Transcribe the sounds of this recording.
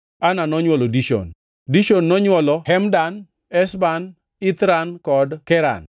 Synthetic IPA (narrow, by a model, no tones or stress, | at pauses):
ananɔɲwɔlɔdiʃo̰n | diʃonːɔɲwɔlɔhɛmdan | ɛsban | ɪt̪ɾankɔdkɛɾa̰n